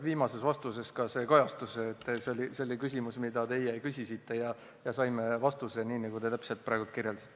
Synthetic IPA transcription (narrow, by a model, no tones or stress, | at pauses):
viːmɑse̞svɑst̪use̞skɑse̞ːkojɑst̪usːt̪ːˑseolʲiseolʲikysʲimusmid̪̥ɑt̪e̞jejkysʲisit̪ːˑe̞jɑ | jɑsɑjme̞vɑst̪use̞niːnɑɡut̪e̞t̪æpselt̪pɾɑeɡut̪kirjeld̪sit̪ː